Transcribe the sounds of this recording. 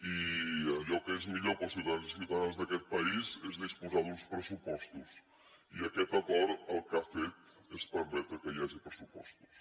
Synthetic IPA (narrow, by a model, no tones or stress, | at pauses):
i | okɛzmiʎoɾkɐsiwðɐðanzssiwðɐðãzðɐkɛt̪̚pɐizɛzðispuzaðũspɾəsupɔst̪us | iɐkɛt̪ɐɣɔɾɐlˠkafet̪ | ɛspəɾmɛt̪eɾkɐiaʒɐpɾəsupɔst̪u̥s